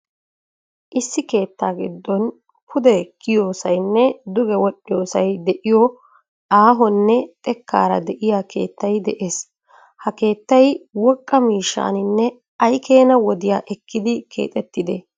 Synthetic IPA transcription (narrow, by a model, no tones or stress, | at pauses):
ʔɪsːɪke̞ːt̪ːaːɡɪd̪ːɔn | pʰʊd̪ɛkʰːɪjoːsɐjnːɛd̪ʊɡɛwɔɗɪjo̞ːsɐjd̪ɛʔɪjɔ | aːɦɔnːɛt̪ʼɛkːa̰ːɾɐ̰d̪ɛʔɪjaːkʰe̞̰ːt̪ːɐjd̪ɛʔe̞ːs | hɐke̞ːt̪ːɐjwɔkʼːɐmiːʃːa̰ːnɪnːɛ | ɐjke̞ːnɐwɔd̪ɪjaːʔɛkːɪd̪ɪkʰe̞̰ːt̪ʼɛt̪ːɪd̪ɛ